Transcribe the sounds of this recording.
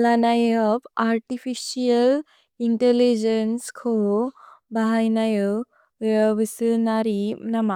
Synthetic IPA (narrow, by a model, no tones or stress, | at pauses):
lanajɔpaɾʈifiɕijəl | iɳʈelid͡ʑənskʰo | baɦajnajə | ʋisənaɾinama